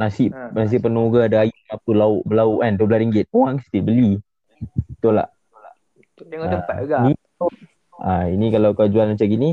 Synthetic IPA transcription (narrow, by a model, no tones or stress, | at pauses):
nasɪʔnas̬iʔpənoɡaadaajuŋapəlaʊʔbəlauʔandoblaɾiŋɡɪt̪̚uaŋst̪ilbəli | t̪ula̰ʔ | aani | ainĩkalawkad͡ʒuanmat͡ʃamɡini